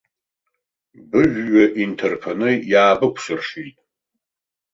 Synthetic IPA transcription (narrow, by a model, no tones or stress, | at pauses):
bɨʒᶣːaʔintʰerpʰanɨjaːbɨkʷʰsɨrʂitʼ